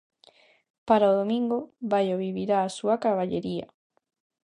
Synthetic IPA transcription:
paɾaoðomĩŋɡoβajoβiβiɾaːsuakaβaʎeɾia̰

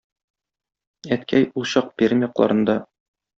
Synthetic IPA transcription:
æt̪kæjulˠɕɑq̚pʲeɾmʲjɒqlˠɑ̰ɾɤ̆nd̪ɑ

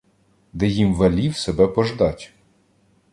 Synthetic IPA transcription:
d̪ɛjimʋɐlʲiwsebɛpɔʒd̪ɑtʲ

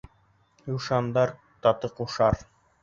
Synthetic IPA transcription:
juʃɑnd̪ɑɾ | t̪ɑt̪ɤquʃɑɾ

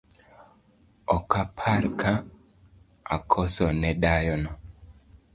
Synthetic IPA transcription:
ɔkapʰaɾkʰa | akʰɔsɔnɛɗajɔnɔ

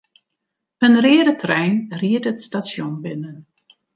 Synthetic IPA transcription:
pənrɪədətʰrɛjnriətətstasjonbɪnən

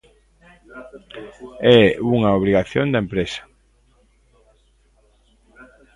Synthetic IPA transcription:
ɛuŋaoβ̞ɾiɣaθjond̪aempɾesḁ

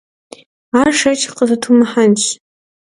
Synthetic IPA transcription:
arʂat͡ʃʰʼqʼəzatʰumaħant͡ʃʷ

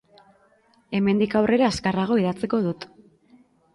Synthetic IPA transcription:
e̞me̞nd̪ikawre̞ɾaːskaraɣ̞o̞iðat͡seko̞ð̞ut̪

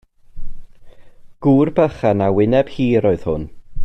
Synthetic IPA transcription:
ɡ̥uːrbəχanawɪnɛb̥hiːɾoːɨð̥hʊ̰n

